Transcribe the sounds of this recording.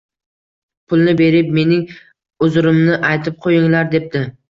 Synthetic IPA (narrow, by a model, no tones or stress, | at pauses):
pʰʊlˠnɪbe̞ɾɪp̚me̞nɪŋ | ʊzɾɪmnɪʔajt̪ʰɪp̚qʰojɪŋlaɾd̪e̞p̚d̪ɪ